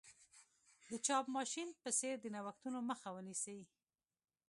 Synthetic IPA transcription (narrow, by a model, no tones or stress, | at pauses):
d̪ət͡ʃɑbmɑʃinpəseɾd̪ənawaxt̪unoməxawənisawi